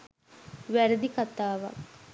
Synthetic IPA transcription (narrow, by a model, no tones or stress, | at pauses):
ʋæɾəd̪ikat̪aːʋa̰k